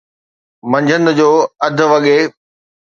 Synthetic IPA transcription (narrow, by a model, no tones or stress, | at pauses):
mɐ̃ɲd͡ʑʱən̆d͡ʑoːɐd̪ʱʊ̆ʋɐɠe